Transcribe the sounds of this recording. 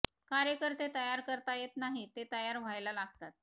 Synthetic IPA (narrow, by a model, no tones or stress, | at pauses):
kaɾjəkəɾt̪et̪əjaɾkəɾt̪ajet̪naɦit̪et̪əjaɾʋ̤ajlalaɡt̪at̪̚